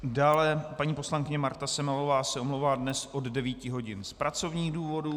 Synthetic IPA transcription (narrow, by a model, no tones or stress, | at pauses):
daːlɛpaɲiːpo̞slaŋkɪɲɛmaɾt̪asɛmalovaːsɛʔomlowvaːdnɛsʔo̞ddɛviːcɪɦo̞ɟɪnspɾat͡so̞vɲiːɣduːvo̞du